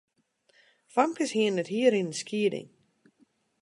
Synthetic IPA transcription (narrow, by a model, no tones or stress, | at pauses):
famkəshiənəthiəɾinəskʰiədɪ̰ŋ